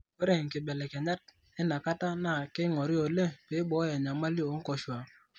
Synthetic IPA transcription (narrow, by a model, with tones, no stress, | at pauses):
e˦ɾe˨ŋ̩˨kɪ˨bɛ˨lɛ˨ka˨ɲa˦t̚ | ɪ˦na˨ka˦ta˦na˦˨kɪ˦ŋɔ˨ɾi˦o˨le˦pɪ˨˦bɔ˨˦a˨ɲa˨ma˦li˦o˨˦ŋ̩˦kɔ˨ʃwa˨